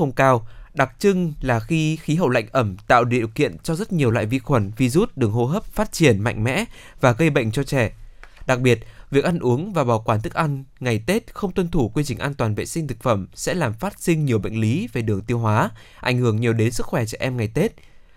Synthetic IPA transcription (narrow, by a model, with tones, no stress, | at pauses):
xə˧wŋ͡mkaː˧wɗa˨˩k̚t͡ɕɨ˧ŋlaː˨˩xi˧xi˨˦ɦə̰˧˨wla̰˧˨jŋ̟ʔə˧˩mt̪a̰ː˧˨wɗḭ˧˨ə̰˨wkḭ˧˨ənt͡ɕɔ˧zə˦˥t̚ɲi˨˩əwla̰ː˧˨jvi˧xwə˨˧˩nvi˨˧˩zu˦˥t̚ɗɨ˨˩əŋɦo˧ɦəː˦˥p̚faː˦˥t̚t͡ɕi˧˩ənma̰˧jŋ̟mɛ̰˧˥ | vaː˨˩ɣə˧jɓə̰˧˨jŋ̟t͡ɕɔ˧t͡ɕɛ˧˩ɗa˨˩k̚ɓi˨˩ət̚vi˨˩ək̚ʔa˧nʔu˨˦əŋvaː˨˩ɓaː˨˩kwaː˧˩nt̪ʰɨ˦˥k̚ʔa˧ŋŋa˨˩jt̪e˦˥t̚xə˧wŋ͡mt̪wə˧nt̪ʰu˧˩kwi˧t͡ɕï˨˩ŋʔaː˧nt̪waː˨˩nvḛ˧˨sï˧ŋt̪ʰɨ˨˩k̚fə˧˩msɛ̰˧˥laː˨˩mfaː˦˥t̚sï˧ŋ̟ɲi˨˩əwɓə̰˧˨ŋ̟li˨˦ve˨˩ɗɨ˨˩əŋt̪i˧əwɦwaː˨˦ | ʔa̰˧˩jŋ̟hɨ˧˩əŋɲi˨˩əwɗe˨˦nsɨ˦˥k̚xwɛ˧˩t͡ɕɛ˧˩ʔɛ˧mŋa˨˩jt̪e˦˥t̚